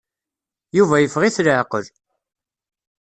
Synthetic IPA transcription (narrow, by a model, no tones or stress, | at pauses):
juvæjəfʁiθlʕqəl